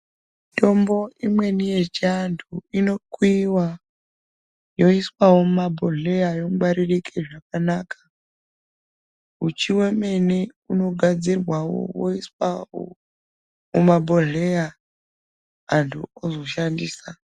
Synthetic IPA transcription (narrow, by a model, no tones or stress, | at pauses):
ito̞mbo̞imwe̞nijet͡ʃiantʰuino̞kwiwa | jo̞iswawomumabʱoɮejajo̞mɡwaɾirikʰeʐakanaːkḁ | ut͡ʃʰiweme̞neuno̞ɡʱad͡zirwawo̰wo̰iswao̰ | mumabʱoɮeja | ntʰṵozo̞ʃandiːsa